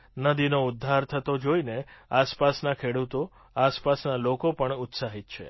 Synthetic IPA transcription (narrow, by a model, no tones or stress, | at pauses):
nəd̪inoud̪ʱːaɾt̪ʰət̪od͡ʒoineaspasnakʰeɽut̪o | aspasnalokopəɳut̪saɦit̪t͡ʃʰḛ